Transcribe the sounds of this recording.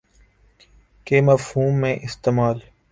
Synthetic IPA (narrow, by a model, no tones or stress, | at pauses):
keːməfhuːmːẽːʔɪst̪eːmaːl